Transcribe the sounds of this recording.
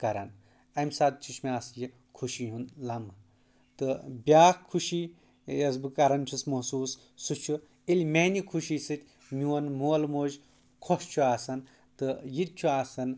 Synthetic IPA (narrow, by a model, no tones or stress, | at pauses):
kɐɾɐn | ɐmʲsaːt̪̚t͡ʃʰuʃʰmiaːsji | kʰuʃiɦunlɐm | t̪ɨbʲaːkkʰːuʃi | jɐsbɨkɐɾɐnt͡ʃʲʰismɐsuːs | sut͡ʃʰu | ilʲmenikʰuʃiːsɨt̪ʲ | mʲiwɐnmoːlmoːʒ | kʰoʃt͡ʃʰuaːsɐn | t̪ɨjit̪̚t͡ʃʰuaːsɐn